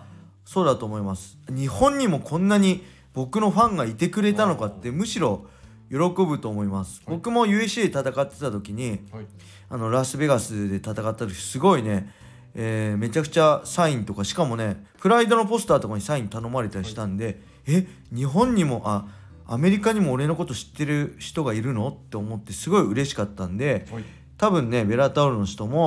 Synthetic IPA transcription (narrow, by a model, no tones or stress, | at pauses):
so̞ːd̪at̪o̞ːmo̞imasɨ̥ɲ̟ihõ̞ɲ̟ːimo̞kʰõ̞nːaɲ̟i | bo̞kɯ̟no̞ɸãŋɡait̪e̞kɯ̟ɾe̞t̪ano̞kat̪ːe̞mɯ̟ɕiɾo̞ | jo̞ɾo̞ko̞bɯ̟t̪oːmo̞imasɨ̥bo̞kɯ̟mo̞jɯ̟ːesɨd̪et̪at̪akat̪ːe̞t̪at̪o̞kʲiɲ̟i | ano̞ɾasɨbe̞ɡasɨd̪e̞t̪at̪akat̪ːat̪o̥sɨɡo̞ine̞ | me̞t͡ɕakɯ̟̥t͡ɕasaĩnt̪o̞kaɕi̥kamo̞ne̞pɯ̟ɾaid̪o̞no̞po̞sɨ̥t̪aːt̪o̞kaɲ̟isaĩnt̪ano̞maɾe̞t̪aɾʲiɕi̥t̪ãnd̪e̞ | e | ɲ̟iɦõ̞ɲ̟ːimo̞ʔa | ame̞ɾʲikaɲ̟imo̞ːɾe̞no̞ko̞t̪o̞ɕi̥t̪ːe̞ɾɯ̟çi̥t̪o̞ɡaiɾɯ̟no̞t̪ːe̞omo̞t̪ːe̞sɨɡo̞iɯ̟ɾe̞ɕi̥kat̪ːãnd̪e̞ | t̪abɯ̟̃nːe̞be̞ɾat̪aoɾɯ̟no̞çi̥t̪o̞mo̞